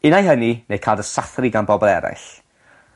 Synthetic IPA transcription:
ɪnajɦəninejkʰaːdəsaθrɪɡanbɔbɔlˠɛɾa̰jɬ

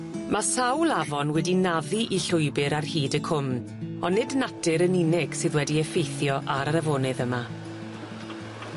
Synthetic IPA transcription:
masawlˠavɔnwɛdinaðiʔiɬʊɨbɨɾarhiːdəkʰʊmn | ɔnːɪdnatʰɨɾəninɪɡ̥sɨðwɛdiɛfejθjɔʔaɾaɾavoːnɨðəma

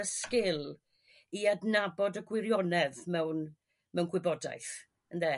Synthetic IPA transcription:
əskɪlˠ | iadnabɔdəɡwɪɾjɔnɛvmɛwn | mɛwnɡʰwɪbɔda̰jθ | ənðɛ

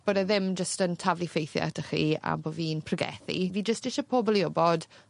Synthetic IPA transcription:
b̥ədaðɪmd͡ʒəstəntʰavlˠifejθja̰tʰəχḭːa̰boːviːnpʰrəɡɛ̰θḭviːd͡ʒəstd̥ɪʃapʰoːbɔlˠiʊbɔd̥

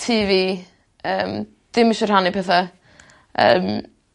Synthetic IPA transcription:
tʰiːvi | əːm | d̥ɪmɪʃɔrhanipʰɛθa | ə̰ːm

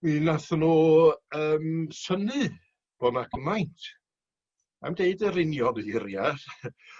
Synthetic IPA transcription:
minaθnuːəːmsənɨ | b̥ɔnaɡəmajntʰ | a̰mdeɨdərɪnjɔnɪɾjar

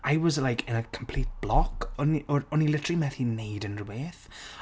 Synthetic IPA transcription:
ajwɔzlajkʰɪ̃nəkʰəmpʰl̥iːt̚b̥lɔkʰɔniɔɔnilɪtʰrimɛθinejdə̃nrubeːθ

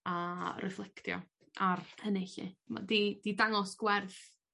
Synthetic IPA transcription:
arɛflˠɛktʰjɔ̰ | arʰənɪɬḭma̰did̥idaŋɔsɡ̥wɛrθ

